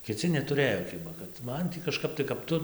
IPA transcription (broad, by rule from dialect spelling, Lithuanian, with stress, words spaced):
kʲɪˈt͡sʲɪ nʲɛˈtʊrɘjoː ˈkʲɪbɐ kɐt ˈmɐn tʲiː kɐʃˈkɐp tɐɪ kɐp ˈtʊ